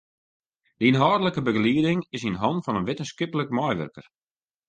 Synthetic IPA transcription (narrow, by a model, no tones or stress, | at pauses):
dinɦɔːdələkəbəɡliədɪŋɪsinɦɔntfɔnənʋɪtənskɪpələkmajʋø̰rkər